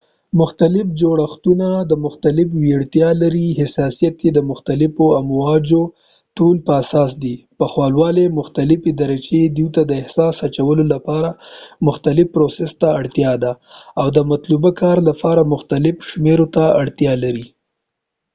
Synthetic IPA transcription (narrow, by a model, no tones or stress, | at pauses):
mʊxt̪alɪfd͡ʒoɽaxt̪unad̪əmʊxt̪alɪfwiaɽt̪jɑlaɾiɦɪsɑsijat̪̚ked̪əmʊxt̪alɪfoamwɑd͡ʒo | ʈolpəasɑsd̪ipəxwɑlwɑlemʊxt̪alɪfed̪aɾat͡ʃed̪iwt̪ad̪əɪhsɑsat͡ʃawəlolapɑɾamʊxt̪alɪfpɾosest̪aːɽt̪jɑd̪a | awd̪əmat̪lubakɑɾlapɑɾamʊxt̪alɪfʃmeɾot̪aaɽt̪jɑlaɾi